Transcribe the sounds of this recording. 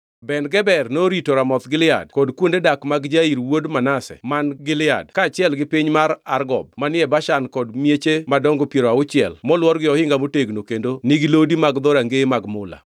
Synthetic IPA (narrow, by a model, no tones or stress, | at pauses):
bɛnɡɛbɛrnoɾitoɾamɔt̪ɡɪlɪa̰d̚kɔdkwondedakmaɡd͡ʒaiɾwodmanasɛ̰manɡɪlɪa̰dkaːt͡ʃɪɛlɡɪpiɲmaɾarɡɔ̰b̚manɪɛbaʃankɔdmjet͡ʃemadɔŋɡopjeɾoaʊt͡ʃɪɛ̰lmɔlwɔɾɡɪɔhɪŋɡamoteɡnokendoniɡilodimaɡd̪ɔɾaŋɡemaɡmʊla̰